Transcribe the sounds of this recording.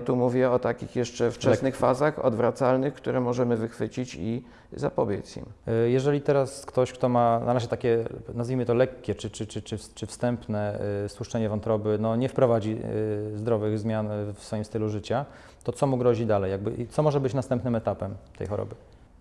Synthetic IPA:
t̪umuvʲjɛɔt̪akʲḭxjɛʂt͡ʂɛft͡ʂɛnɘxfazaxɔ̰d̪vɾat̪salnɘxkt̪uɾɛmɔʐɛmɘvɘxfɘt͡ɕit͡ɕi | za̰pɔbʲjesḭmjɛʐɛlʲit̪ɛɾaskt̪ɔɕkt̪ɔmanaɾaʑɛt̪akʲɛnazvʲijmɘt̪ɔlɛkʲːɛt͡ʂɘt͡ʂɘt͡ʂɘt͡ʂɘt͡ʂɘfst̪ɛmpnɛst̪wuʂt͡ʂɛɲɛvɔnt̪ɾɔbɘnɔɲɛfpɾɔvad͡ʑizd̪ɾɔvɘɣzmʲjanfsfɔjimst̪ɘluʐɘt͡ɕa | t̪ɔt̪sɔmuɡɾɔʑid̪alɛjːaɡ̚bɘ̰ʔit̪sɔmɔʐɛbɘt͡ɕnast̪ɛmpnɘmɛt̪apɛmt̪ɛ̰jxɔɾɔ̰bɘ

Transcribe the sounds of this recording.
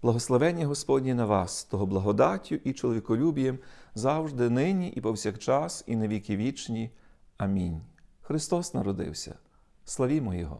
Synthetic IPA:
b̥lˠɐɦɔslˠɐʋɛnʲːiɦɔspɔdʲnʲinɐʋɑst̪ɔɦɔblˠɐɦɔd̪ɑtʲːʊʔit͡ʃɔlˠɔʋʲikɔlʲubʲijɛmzɑwʒd̪ɪnɪnʲiʔipɔwsʲɐkt͡ʃɑsineʋʲikʲiʋʲit͡ʃnʲiɐmʲinʲxɾɪst̪ɔsnɐɾɔd̪ɪ̰wsʲɐ̰ | slˠɐʋʲimɔjɔɦɔ̰

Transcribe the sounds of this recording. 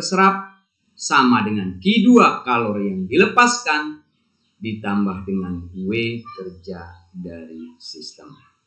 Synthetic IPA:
səɾap̚ | samadəŋankiduakalɔrjaŋdiləpaskan | dit̪ambahdəŋanwekərd͡ʒa | daɾisist̪əm

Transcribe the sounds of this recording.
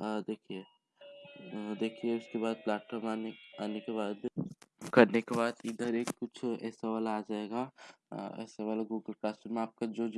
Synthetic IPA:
d̪eːkʰie | d̪eːkʰieʊskebaːd̪̚plaːʈfɔːɾmaneaːnekebaːd̪kɐɾnekebaːd̪ɪd̪əɾeːkːʊt͡ʃʰɛ̰ːsaʋaːlaːd͡ʒaːeɡa | ɛ̰ːsaʋaːlaɡuːɡəlkaːsʈəmeaːp̚kad͡ʒod͡ʒ

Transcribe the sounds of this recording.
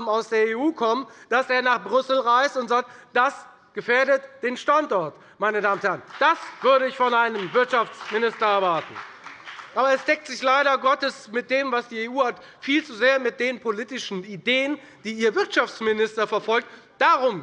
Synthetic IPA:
aʊsd̥eːɐeːuːkʰɔmd̥asʔeːɐnaːχbʁʏsl̩ʁaɪstʊntz̥aːk̚td̥as | ɡ̥əfeːɐɾətd̥eːnʃtantɔɐt | maɪnədaːmənthɛɐʁənd̥asv̥ʏɐɾəɪçfɔnʔaɪnəmvɪɐtʃaft͡smɪnɪstɐɛɐvaɐtn̩ | ʔaːbɐɛsd̥ɛk̚tz̥ɪçlaɪɾɐɡɔtəsmɪt̚d̥eːmvasd̥iːeːuːhat | fiːlt͡suzeːɐmɪt̚d̥eːnpʰoliːtɪʃn̩ideːən | d̥iːiːɐvɪɐtʃaft͡smɪnɪstɐfɛɐfɔlk̚td̥aʁʊm

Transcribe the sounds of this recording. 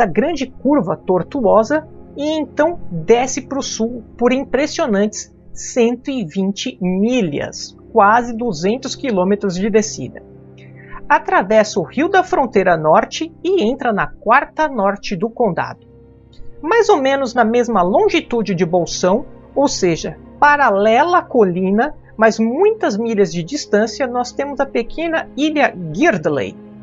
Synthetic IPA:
ɐɡɾɐ̃d͡ʒɪkuɾvɐt̪oɾt̪uɔzɐɪẽt̪ɐ̃w̃d̪ɛsɪpɾʊsuwpoɾĩpɾesionɐ̃nt͡ʃɪ̥s | ẽnt̪ʊɪvĩnt͡ʃɪmilɐ̰s | kwazɪd̪uzẽnt̪ʊskilõmet̪ɾʊzd͡ʒɪd̪esḭd̪ɐ̰ | at̪ɾavɛsɐʊhiwd̪ɐfɾõnt̪ejɾɐnɔɾt͡ʃɪɪẽnt̪ɾɐnɐkwaɾt̪ɐnɔɾt͡ʃɪd̪ʊkõnd̪a̰d̪ʊ | majzomẽnʊznɐmezmɐlõʒit̪ud͡ʒɪd͡ʒɪbowsɐ̃w̃ | owseʒɐpaɾalɛlɐkolĩnɐ | mɐzmũj̃t̪ɐzmiʎɐzd͡ʒɪd͡ʒist̪ɐ̃sjɐnɔst̪ẽmʊzɐpekʰẽnɐiʎɐɡiɾd̪lḛj

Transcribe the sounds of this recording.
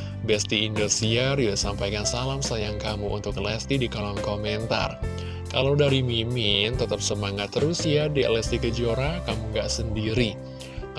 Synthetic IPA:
bɛst̪iːndosiarjusampajkansalamsajaŋkamuʔṵnt̪ʊkəlɛst̪idikolɔnkomɛnt̪a̰r | kalawdaɾimimɪnt̪ət̪əp̚səmaŋat̪ɾusiadiə̰lɛst̪ikəd͡ʒoɾakamuŋɡaʔsəndiɾi

